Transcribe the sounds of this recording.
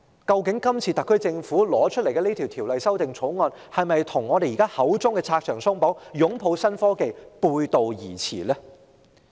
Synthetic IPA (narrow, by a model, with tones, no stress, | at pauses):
kɐ˧wkɪ˨˥ŋkɐ˥mt͡sʰiː˧t̪ɐ˨˩kʰːɵ˥jt͡sɪ˧ŋfuː˨˥lɔː˨˥t͡ʃʰɵ˥t̚le˨˩jkɛː˧neː˥t̪ʰiː˨˩wt̪ʰiː˨˩wlɐ˨jsɐ˥wt̪ɪ˨ŋt͡sʰo˨˥wŋɔː˧n | hɐ˨jmɐ˨jt̪ʰʊ˨˩ŋːɔː˨˧ɾe˨jiː˨˩kaː˥hɐ˨˥wt͡sʊ˥ŋkɛː˧t͡sʰaː˧k̚t͡ʃʰœː˨˩ŋsʊ˥ŋpo˨˥wjʊ˨˥ŋpʰo˨˧wsɐ˥nfɔː˥ke˨jpuː˧jt̪o˨wjḭː˨˩t͡sʰḭː˨˩lɛː˥